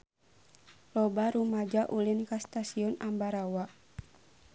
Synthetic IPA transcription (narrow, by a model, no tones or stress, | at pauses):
lɔbaɾumad͡ʒaʔulinkast̪asiɔnambaɾawaʔ